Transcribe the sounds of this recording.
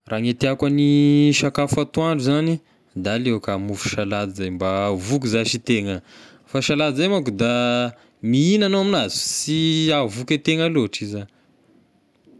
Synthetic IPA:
rʔaːŋet̪iakaniʃakafat̪uaɳɖ͡ʐuzani | d̪alewkamufu̥ʃalad̪izajmbavuk̬uzaʃit̪eŋə | faʃalad̪izajmak̬ud̪a | miinanoaminazu̥siavuket̪eŋaloaʈ͡ʂiza

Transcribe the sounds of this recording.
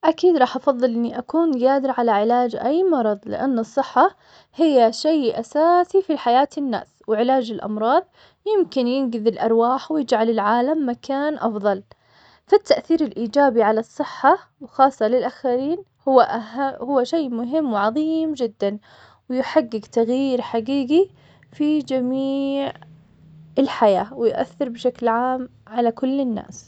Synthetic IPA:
ʔakiːd̪ɾˤɑːħʔɑfɑðˤːɨlʔɪnːiʔakuːnɡaːd̪ɪɾʕalaʕɪlaːd͡ʒʔajmɑɾˤɑðˤlɪ̰ʔa̰nːɨsˤːɨħːa | hɪjːaʃejʔasaːsifiħajaːt̪ɪnːa̰ːswɪʕɪlaːd͡ʒɪlʔɑ̰mɾˤɑːðˤ | jɪmkɪnjɪnɡɪðɪlʔɑɾˤwaːħwjɪd͡ʒʕalɪlʕaːlamːakʰaːnʔɑfðˤɑl | fat̪ːaʔθiːɾɪlʔiːd͡ʒaːbiʕalɑsˤːɨħːawxɑːsˤːɑlɪlʔaxaɾiːn | hʔahʊwːaʃejmʊɦɪmːwɪʕɑðˤiːmd͡ʒɪd̪ːan | wɪjɪħaɡːɪɡt̪aɣjiːɾħaɡiːɡi | fid͡ʒamiːʕ | ɪlħajaːwɪjʔa̰θːɪɾbɪʃaklʕaːmʕalakʊlːɪnːa̰ːs

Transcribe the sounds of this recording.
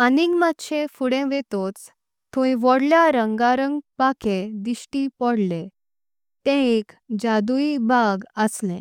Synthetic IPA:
aniɡmat̪ɕefuɽẽʋet̪ot͡s | t̪ʰõĩʋɔɽljaɾəŋɡaɾəŋɡpakʰẽd̪iɕʈipɔɽlẽ | t̪ɛ̃ekd͡ʑad̪uibʱaɡəslḛ̃

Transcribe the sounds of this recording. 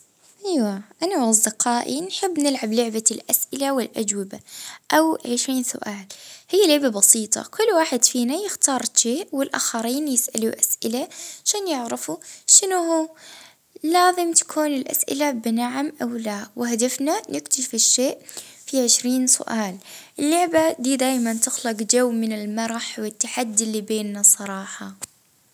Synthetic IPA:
ʔajwaʔanawɑzˤd̪ɪqɑːʔinħɪbːnɪlʕablʊʕbalʔasʔɪlawɪlʔad͡ʒwɪbaʔawʕɪʃɾiːnsʊ̰ʔaːlhɪjːalɪbabɑsiːt̪ˤɑ̰kʰʊlːwaːħɪd̪fiːnajɪxt̪ɑːɾˤʃeːʔwɪlʔa̰ːxɑɾiːnjɪsʔaluʔasʔɪlaʃaːnjɪʕɾɪfuʃɪnʊhuː | laːzɪmt̪ḁkʰuːnɪlʔa̰sʔɪ̰labɪnaʕamʔawlawɪhad̪afnanʔɪkt̪aʃfɪʃːeːʔfiʕɪʃɾiːnsʊ̰ʔaːlʔɪlːʊʕbad̪iːd̪aːjmant̪ɪxlɪqd͡ʒawːmɪnɪlmɑɾˤɑħwɪt̪ːaħad̪ːlːibeːnːasˤɑɾˤɑːħɑ

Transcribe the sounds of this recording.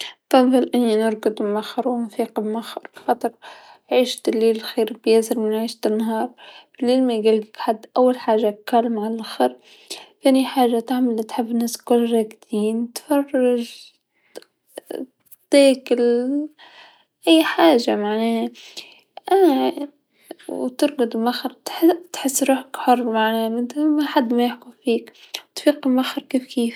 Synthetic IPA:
fɑnðˤɨlʔɪnːinʊɾˤkʊd̪bmaxːɑɾˤwmʊθiːqbmaxːɑɾˤbxɑt̪ˤɑɾˤʕiːʃt̪ɪlːiːlxeːɾbjaːsɪɾmɪnʕiːʃt̪ɪnːaɦɑːɾˤbɪlːiːlmaɡalɡkħad̪ːʔawːalħaːʒakalːmʕalaʔxɪɾ | θeːniħaːʒat̪aʕmalt̪ħɪbːnːaskʊlːɾˤɑɡd̪iːnt̪fɑrˤːɑʒ | t̪ˤiːkɪl | ʔajːħaːʒamaʕnaːh | ʔana | wt̪ɨɾˤɡʊd̪ˤlmaxɾt̪ħt̪ħɪsːɾuːħakħʊrˤːmaʕnaːmɪd̪maħad̪ːmajɪħkufiːkt̪fiːqɪlmaxɾˤkiːfkiːf

